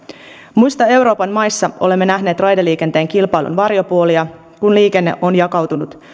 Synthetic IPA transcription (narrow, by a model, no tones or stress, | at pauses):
mujst̪ɑe̞wɾo̞ːpɑnmɑjsːɑʔo̞le̞mːe̞næɦne̞ːt̪rɑjdeliːke̞nt̪e̞ːŋkilpɑjlʔṵnʋɑrjo̞puoliɑ | kunliːke̞nːe̞̰ʔo̞njɑkɑwt̪unut̪